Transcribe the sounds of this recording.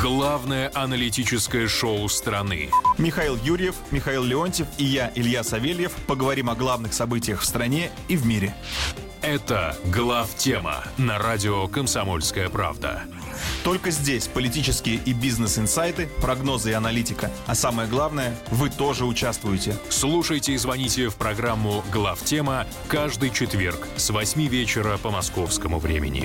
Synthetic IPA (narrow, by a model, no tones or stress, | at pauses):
ɡlˠavnəjəʔɐnəlʲɪtʲit͡ɕɪskəjəʂoʊst̪ɾɐnɨ̰mʲɪxɐilˠjuɾʲjɪfmʲɪxɐilˠlʲɪonʲtʲɪfɪjaʔɪlʲjasɐvʲelʲjɪfpəɡəvɐɾʲimɐɡlˠavnɨxsɐbɨtʲɪjəxfst̪ɾɐnʲe̞ | ivmʲiɾʲɪ | ɛt̪ə̰ɡlˠaftʲemə̰nɐɾadʲɪokəmsɐmo̞̰lʲskəjəpɾa̰vd̪ə̰ | t̪o̞lʲkəzʲdʲesʲpəlʲɪtʲit͡ɕɪskʲɪjəʔibʲiznɨsɨnsajt̪ɨpɾɐɡno̞zɨɪɐnɐlʲitʲɪkəɐsaməjəɡlˠavnəjəvɨt̪o̞ʐɨʊt͡ɕast̪vʊjɪtʲɪslˠuʂəjtʲɪːzvɐnʲitʲɪfpɾɐɡɾamːʊɡlˠaftʲe̞mə | kaʐd̪ɨjt͡ɕɪt̪vʲe̞rksvɐsʲmʲivʲet͡ɕɪɾəpəmɐsko̞fskəmʊvɾʲḛmʲɪ̰nʲɪ̰